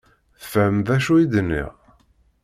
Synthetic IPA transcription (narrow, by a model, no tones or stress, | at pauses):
θfæmðæʃuid̪nːḭʁ